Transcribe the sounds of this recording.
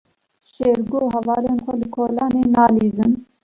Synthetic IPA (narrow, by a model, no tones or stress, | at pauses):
ʃeːɾɡoːɦɛvɑːleːnxʷɛlɨkʰoːlɑːneːnɑːliːzɨn